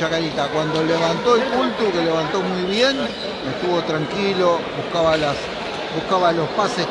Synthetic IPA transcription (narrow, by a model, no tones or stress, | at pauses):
t͡ʃakaɾit̪akwand̪o̞leβant̪o̞elpult̪ukeleβant̪o̞mujβje̞n | mest̪uβo̞t̪ɾaŋkilo̞βuhkaβalas | buhkaβalo̞spase